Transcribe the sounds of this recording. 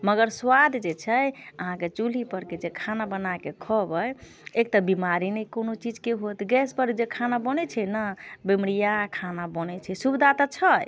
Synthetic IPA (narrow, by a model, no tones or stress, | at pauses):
məɡəɾswad̪d͡ʒet͡ʃʰɛjəɦãket͡ʃulipəɾked͡ʒekʰanabənakekʰɔbəj | ekt̪əbimaɾinɛjkonot͡ʃid͡ʒkeɦot̪ɡɛspəɾd͡ʒekʰanabənɛt͡ʃʰɛnabemɽijakʰanabənɛt͡ʃʰɛsubd̪ʱat̪ət͡ʃʰəj